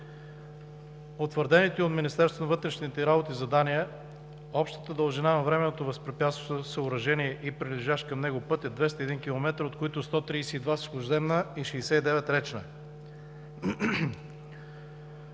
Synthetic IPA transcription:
ot̪vəɾd̪ɛnit̪ɛot̪minist̪ɛɾst̪vonɐvɤt̪ɾɛʃnit̪ɛɾabot̪izɐd̪aniə | ɔpʃt̪ə̥t̪əd̪əlˠʒinanɐvɾɛmɛnot̪ovɐspɾipjat̪st̪vosəʊɾɐʒɛniɛʔipɾiliʒaʃkɐmnɛɡʊpɤt̪jəd̪vɛst̪əɛd̪inkʲilˠomɛt̪ɾot̪̚koit̪ʊst̪ɔt̪ɾiːsɛid̪vaskoʒzɛmnəiʃɛːsɛid̪ɛvɛt̪ɾɛt͡ʃnə

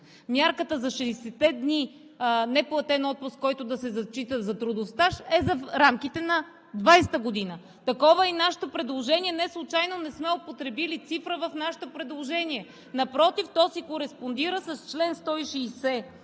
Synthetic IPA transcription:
mʲjaɾkət̪əzɐʃɛːsɛt̪ɛd̪ni | nɛplˠɐt̪ɛnɔt̪̚pʊst̪kɔjt̪ʊd̪ɐsɛzɐt͡ʃit̪əzɐt̪ɾud̪ofst̪aʃɛzɐɾamk̟it̪ɛnɐ | d̪vajsɛ̥t̪əɡod̪inə | t̪ɐkɔvəinaʃɛ̥t̪opɾɛd̪lˠoʒɛnʲiɛnɛslˠʊt͡ʃajnonɛsmɛopot̪ɾɛbilit̪sifɾəvəfnaʃɛ̥t̪opɾɛd̪lˠoʒɛniɛ | nɐpɾɔt̪ift̪ɔsikoɾɛspond̪iɾəsɐst͡ʃlɛnst̪ɔiʃiːsɛ

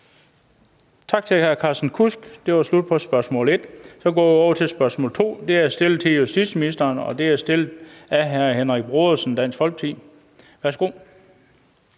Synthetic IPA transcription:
t͡sʰɑ̈ɡ̥̚t͡sʰe̝lhæɐkʰɑ̈sn̩kʰusɡ̥d̥e̝ʋɑ̈slud̥̚pʰɒ̽sb̥ɶɐsmɔ̰̽ːle̝d̥sɒ̽ɡ̥ɔ̰ːjiɒʊɐt͡sʰe̝lsb̥ɶɐsmɔ̰ːlt͡sʰo̝̰ːd̥e̝æsd̥e̝lt͡sʰe̝jusd̥id̥sminisd̥ɐːnɒ̽d̥e̝æsd̥e̝læɦæɐhenʁaɡ̥̚b̥ʁo̝ðˠɐsn̩d̥æn̰sɡ̥fɒ̽lɡ̥̚t͡sʰḭː | ʋæɐsɡ̥o̝̰ː

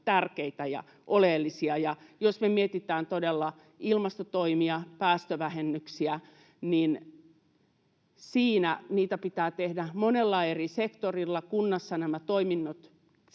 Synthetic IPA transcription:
t̪ærkeit̪æjɑ̰ | ʔoleːlːisiɑjɑjosmemiet̪it̪æːnt̪odelːɑ | ilmɑst̪ot̪oimiɑpæːst̪øʋæhenːyksiæ | nin | siːnæniːt̪æpit̪æːt̪ehdæmonelːɑerisekt̪orilːɑkunːɑsːɑnæmæt̪oiminːot̪

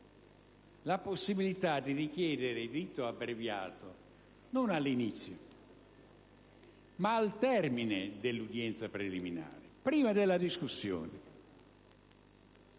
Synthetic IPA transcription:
laposːibilit̪ad̪ːirikjɛːd̪eɾed̪ɾit̪ːoabːɾevja̰ːt̪o | nonalːinit̪sːjo | maːlt̪ɛrmined̪elːud̪jɛnt̪sapɾelimina̰ːɾɪpɾiːmad̪elːad̪iskusːjɔ̰ːnɪ

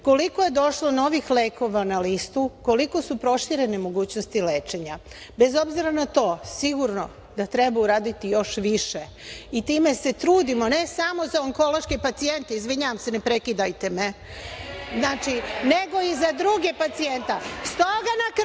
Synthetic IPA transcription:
ko̞liko̞je̞d̪o̞ʃlo̞no̞ʋixleːko̞ʋanalist̪uko̞liko̞supɾo̞ʃiɾe̞nemo̞ɡuːt͡ɕnost̪ile̞ːt͡ʃe̞ɲa̰ | be̞zo̞bziɾanat̪o̞ːsiɡuɾno̞ | d̪at̪ɾe̞bauɾaːd̪it̪ijo̞ʃʋiʃe̞ | it̪iːme̞se̞t̪ɾuːd̪imo̞ne̞samo̞zaoŋko̞lo̞ʃkepat̪sie̞nt̪e̞izʋiɲaʋamse̞ne̞pɾe̞kid̪ajt̪e̞me | znaːt͡ʃine̞ɡo̞izad̪ɾuɡepat̪sie̞nt̪ast̪oɡanak

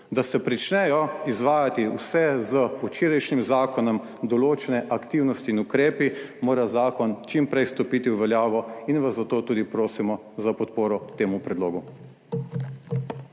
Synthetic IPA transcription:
d̪asɛpɾit͡ʃnɛjɔizʋaːjat̪iwsɛzəut͡ʃiːɾajʃnimzaːkɔnɔm | d̪ɔloːt͡ʃɛnɛʔakt̪iːwnɔst̪iːnukɾeːpimoːɾazaːkɔnt͡ʃimpɾɛjst̪ɔpit̪iwʋɛljaːʋɔinʋazːat̪oːt̪uːd̪ipɾoːsimɔ | zapɔt̪poːɾɔt̪eːmupɾɛd̪loːɡu

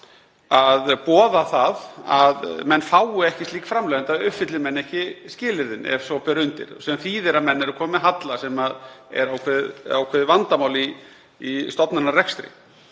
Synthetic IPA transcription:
aðpɔːðaθaðaðmɛnːfaːwʏɛhcɪst̪liːkfɾamlɛɣant̪aðʏfɪt̪lɪɾmɛnːɛhcɪscɪːlɪɾðɪnɛ̰vsɔpɛɾʏnt̪ɪ̰ɾ̥sɛamθiːðɪɾamɛnːɛɾʏkʰɔːmmɛðɦat̪lasɛmaðɛ̰ɾawkʰvɛːða̰wkʰvɛːðɪvant̪amaːwliː | st̪ɔpnanːarɛkst̪ɾɪ̰

